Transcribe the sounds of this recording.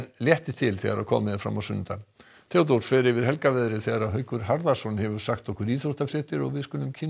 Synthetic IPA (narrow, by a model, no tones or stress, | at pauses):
nljɛht̪ɪt̪ʰɪlθɛ̰ɣaɾa̰kʰɔ̰ːmɪðɪfɾa̰mawsʏnːɪnt̪a | t̪ʰawt̪̬owfɛːðɾɪvɪɾ̥hɛlkavɛðɾɪθɛɣaɾaðɦœɥkʏɾ̥haɾðasɔnhɛvʏɾ̥saxt̪ɔhkʏɾiːɾoht̪afɾɪːt̪ɪɾɔɣvɪðskʏːlʏmcʰɪn